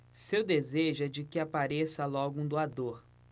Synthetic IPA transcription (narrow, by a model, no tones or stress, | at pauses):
sewd̪ezeʒɛd͡ʒɪkɪapaɾesɐlɔɡʊũd̪oad̪oɾ